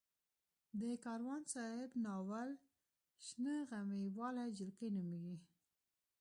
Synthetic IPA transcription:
d̪əkɑɾwɑnsɑhɪbnɑwal | ʃnəɣamewɑlad͡ʒɪlkəjnumiɡi

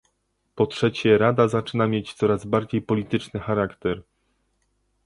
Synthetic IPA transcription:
pɔtʂɛt͡ɕɛɾad̪azat͡ʂɘnamʲjet͡ɕt̪sɔɾazbaɾd͡ʑejpɔlʲit̪ɘt͡ʂnɘxaɾakt̪ɛɾ

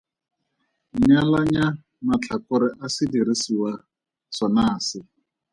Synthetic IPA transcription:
ɲalaɲa | mat͡ɬʰakʊɾɪʔasɪdiɾisiwa | sɔnaːsɪ

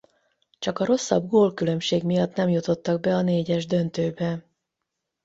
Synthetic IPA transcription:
t͡ʃɒkɒɾo̞sːɒ̰b̚ɡoːlkylø̞mʃeːɡmijɒt̪nɛmjut̪o̞t̪ːɒɡ̚bɛɒneːɟɛʒd̪ø̞nt̪øːbɛ

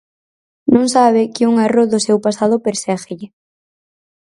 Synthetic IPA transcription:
nõŋsaβ̞ɪkɪuŋaroðʊsewpasað̞ʊpeɾsɛɣɪʎɪ

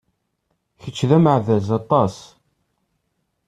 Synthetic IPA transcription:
çət͡ʃːðæməʕðæzɑt̪ˤɑs

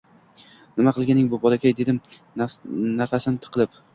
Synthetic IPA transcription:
nɪmaqʰɨlˠɡʲanɪŋbʊbɒlˠakʲʰajd̪e̞d̪ɪm | nafasɪnɪt̪ʰɨ̥qʰɨlˠɪp

